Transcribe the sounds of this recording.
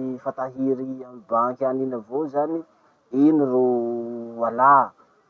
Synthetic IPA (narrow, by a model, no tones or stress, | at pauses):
fat̪aɦiɾiamibaŋkʲaninavozani | iniro | ana